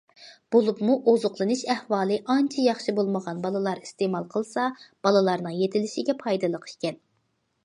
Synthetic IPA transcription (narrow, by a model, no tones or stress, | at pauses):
b̥olˠupmuʔozʊqlˠɨnɨʃɛhwɑːlˠɨʔɑnt͡ʃʰijɑχʃibolˠməʁɑnbɑlˠɨlˠɑɾist̪emɑlˠqʰəlˠsɑb̥ɑlˠɨlˠɑɾnɨŋjet̪ʰɪlɪʃɪɡʲɛpʰɑjd̪ɨlˠəqʰi̥ʃkʲɛn